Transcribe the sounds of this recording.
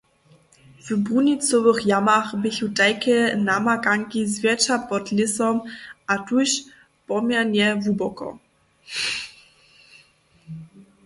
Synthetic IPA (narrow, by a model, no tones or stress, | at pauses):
vəbʁunit͡sɔvəxjamaxbɪçutaɪkənamakaŋkizvʲjɛt͡ʃapɔtlɪsɔmatuɕ | pɔmjɛnɛvubɔkɔ̰